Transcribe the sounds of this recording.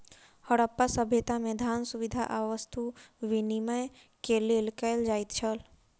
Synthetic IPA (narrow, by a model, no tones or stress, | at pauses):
həɽəpːasəbʱet̪amed̪ʱansuʋid̪ʱa̰ʔaʋəst̪ʰuʋiniməj | kelelkəld͡ʒait̪t͡ʃʰəl